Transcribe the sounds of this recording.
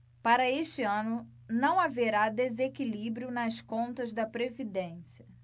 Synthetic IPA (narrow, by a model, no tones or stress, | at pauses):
paɾɐeʃt͡ʃɪɐ̃nʊ | nɐ̃w̃aveɾad̪ezekilibɾiʊnɐskõnt̪ɐzd̪ɐpɾevid̪ẽsiɐ